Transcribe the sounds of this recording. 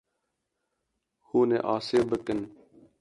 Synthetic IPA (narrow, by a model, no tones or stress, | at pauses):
huːneːʔaːseːbək̪ɪn